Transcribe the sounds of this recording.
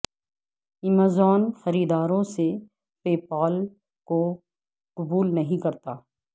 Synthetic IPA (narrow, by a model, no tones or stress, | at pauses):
ɪmazɔːnxɐɾiːd̪aːɾõse | feːpaːl | ko | qʊbuːlnɐɦĩkɐɾt̪aː